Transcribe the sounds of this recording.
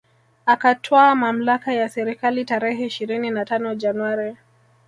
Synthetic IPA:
akatʰɔamam̩lakajasɛɾikalitaɾɛhɛiʃiɾininatanɔd͡ʒanwaɾi

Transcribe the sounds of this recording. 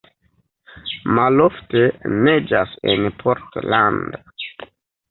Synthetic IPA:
maloftened͡ʒasḛnpʰoɾtland

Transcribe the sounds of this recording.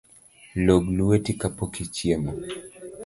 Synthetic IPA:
lɔɡluwɛtikapɔkit͡ʃiɛmɔ

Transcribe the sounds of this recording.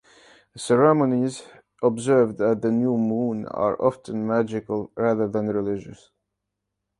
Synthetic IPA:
sɛɹɛməniz | ʔɔbzɜ˞vðæt̪̚ðənjuːmũnə̰ɹʔɑftʰə̃nmæd͡ʒɪkəlˠɹæðə˞ðə̃nɹɪlɪd͡ʒɨ̰s

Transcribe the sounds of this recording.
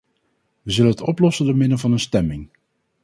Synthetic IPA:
ʋəzɵlənətɔplɔsəndəɹmɪnəvɑnənstɛmɪŋ

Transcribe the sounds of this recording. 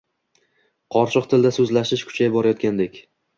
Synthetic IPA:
qʰɒɾʃʰɨqt̪ʰɪld̪asɵzlaʃɪʃkʰʊ̥t͡ʃʰajbɒɾajɒt̪̚kʲand̪ekʲ

